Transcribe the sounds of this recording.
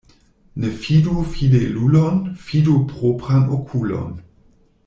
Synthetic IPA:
nefidufidelulonfidupʁopʁanokʰulo̰n

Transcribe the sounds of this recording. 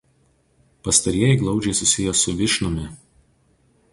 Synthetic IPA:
pɐst̪ɐɾʲiɛjɛɪɡlˠɒʊd͡ʒʲɛɪsʊsʲɪjɛsʊʋʲɪʃnʊmʲɪ

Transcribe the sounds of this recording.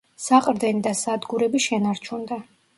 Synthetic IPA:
saqʼɾd̪ɛnid̪asad̪ɡuɾɛbiʃɛnaɾt͡ʃʰund̪a

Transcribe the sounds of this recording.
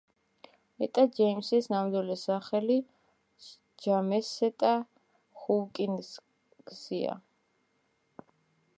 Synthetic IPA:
ɛt̪ʼad͡ʒɛjmsisnamd̪wilɛsaχɛli | d͡ʒamɛsɛt̪ʼa | χulkʼins | ɡ̥z̥ia̰

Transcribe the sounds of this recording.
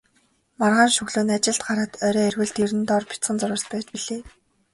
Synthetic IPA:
marʁaːnʃɵɣɮoːnat͡ɕɪ̆ɮt̪̚ɢaɾăːt̪œɾʲœːerɣɘ̆ɮt̪iɾɘ̆nt̪ɔrpʲi̥t͡sχə̆nt͡sʊɾə̆ɮs̚pæːt͡ɕpiɮeː

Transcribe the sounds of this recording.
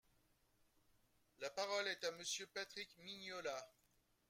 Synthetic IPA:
lapaʁɔlɛt̪aməsjøpat̪χikminjɔla

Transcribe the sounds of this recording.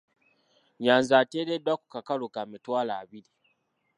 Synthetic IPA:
janzateːdedakʷu̥kakaɽokamituwalabɪli

